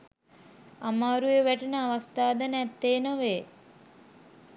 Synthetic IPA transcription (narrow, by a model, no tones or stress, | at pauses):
amaːɾujeʋæʈənəaʋast̪aːd̪ənɛt̪ːeːnəʋeː